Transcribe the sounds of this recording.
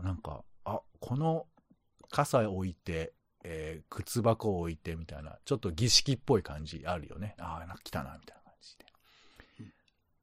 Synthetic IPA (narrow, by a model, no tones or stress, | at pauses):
nãŋka̰akʰo̞no̞ | kʰasaoit̪e̞ː | kʰɯ̟t͡sɨbakoːit̪e̞mʲit̪a̰ina̰t͡ɕo̞t̪ːo̞ɡʲiɕi̥kʲipːo̞ikãɲ̟d͡ʑḭaɾɯ̟jo̞̰ne̞anãŋkḁkʲi̥t̪a̰na̰mʲit̪ainakʰãɲd͡ʑi̥d̪̥e̞̥